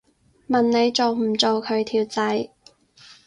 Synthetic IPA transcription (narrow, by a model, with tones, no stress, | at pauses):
mɐ˨nne˨˧jt͡so˨˧wm̩˨˩t͡so˨wkʰɵ˨˧ɥt̪ʰiː˨˩wt͡sɐ˨˥j